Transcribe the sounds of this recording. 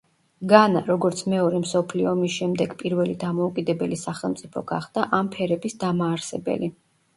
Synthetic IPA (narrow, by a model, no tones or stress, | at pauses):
ɡanaɾɔɡɔɾt̪sʰmɛɔɾɛmsɔpʰliɔːmisʃɛmd̪ɛɡpʼiɾvɛlid̪amɔukʼid̪ɛbɛlisaχɛlˠmt̪sʼipʰɔɡ̥a̰χd̪̥aʔampʰɛɾɛbisd̪amaːɾsɛbɛ̰li